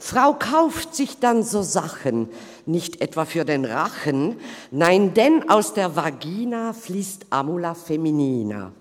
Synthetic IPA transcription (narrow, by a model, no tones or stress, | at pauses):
fʁ̥aʊkʰaʊftz̥ɪçd̥anzoːzaxənː | ɪçtʔɛtv̥afyːɐdeːnʁaxənːaɪndɛnaʊsd̥eːɐvaɡiːnafliːstʔaːmulafeminiːna̰